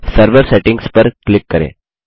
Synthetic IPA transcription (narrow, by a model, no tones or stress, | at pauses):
səɾʋəɾseʈĩŋɡspəɾklikːəɾḛ